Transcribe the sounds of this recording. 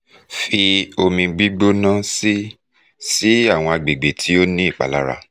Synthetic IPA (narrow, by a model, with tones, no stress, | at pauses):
fi˧o˧mĩ˧ɡ͡bi˦ɡ͡bo˦nã˦si˦ | si˦a˦˨w̃ɔ̃˧a˧ɡ͡be˨ɡ͡be˨tʰi˨˦o˦nĩ˦i˦˨k͡pa̰˨la˦ɾa̰˧